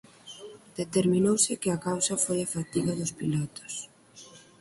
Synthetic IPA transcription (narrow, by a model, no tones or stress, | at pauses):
d̪̥et̪eɾmĩnowsɪkɪɐkawsɐfojɐfat̪iɣɐðʊspilɔt̪ʊ̥s